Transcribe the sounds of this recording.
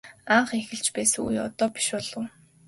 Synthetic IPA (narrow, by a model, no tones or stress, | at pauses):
aɴχexɘ̆ɮt͡ɕpæːsɘ̆ŋṵjɔ̰t̪ɔːpi̥ʃʊːɮə̆w